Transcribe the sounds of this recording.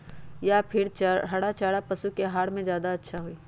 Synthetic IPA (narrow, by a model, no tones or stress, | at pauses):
japʰɪɾt͡ʃɦɐɽat͡ʃaːɽapɐsukeɦaːɽmẽzjaːd̪aɐtːʃʰaɦuiː